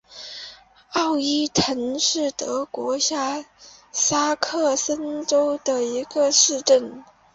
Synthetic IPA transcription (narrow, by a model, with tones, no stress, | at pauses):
ɑ˥˩ʊi˥tʰə˧˥ŋʂɻ̩˥˩t̪ɤ˧˥kwɔ˧˥ɕja˥ | sa˥kʰɤ˥˩sə˥nʈ͡ʂo˥ʊd̪ə˨i˧˥ɡə˧ʂɻ̩˥˧ʈ͡ʂə˥˩n